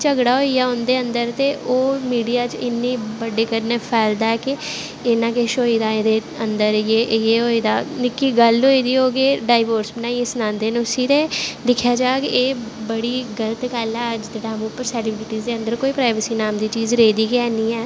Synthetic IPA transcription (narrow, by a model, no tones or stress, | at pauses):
t͡ʃəɡɽaːɦoːiːaːɦond̪eːənd̪əɾt̪eːʔoːmiːɖijaːt͡ʃɪnːiːbəɖeːkəɾneːpʰɛːld̪aːɛːkɪ | eːnãːkeʃoːiːd̪aːeːd̪eː | ənd̪əɾjeːʔjeːɦoːiːd̪aːnɪkːiːɡəlɦoːiːd̪iːoːɡeːɖaːɪʋəːɾsbənaːiːɪsnãːnd̪eːnũːsiːɾeːd̪ɪkʰjaːd͡ʒaːkeːbəɽiːɡələt̪kɛːlɛːəd͡ʒd͡ʒeːɽaːmũːpːəɾsɛːlɪbɾɪʈiːzd̪eːə̃nd̪əɾkoːiːpɾaːɪʋəsiːnaːmd̪iːt͡ʃiːzɾeːd̪iːkɛːniːɛː